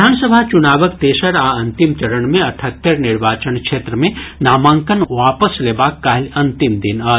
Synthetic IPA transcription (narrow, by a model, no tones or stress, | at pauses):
aːnsəbʱat͡ʃʊnaːʋəkt̪eːʃəɾaːɐ̃nt̪ɪmt͡ʃɐɾənmẽɐʈʰət̪ːəɾnɪɾʋaːt͡ʃənkʃeːt̪ɾəmẽnaːmãːŋkənʋaːpəsleːbaːkːaːɦlɐ̃nt̪ɪmd̪ɪnɐ